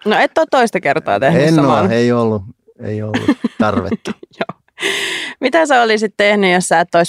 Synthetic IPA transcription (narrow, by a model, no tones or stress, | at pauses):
noet̪ːoːt̪t̪oist̪ɑkert̪ɑ̰ːt̪ehesnːɑːomɑneiolːu | ḛiolːṵt̪ɑrʋḛt̪ːu̥joː | mit̪æseolisit̪t̪ehnyjossæːt̪ːois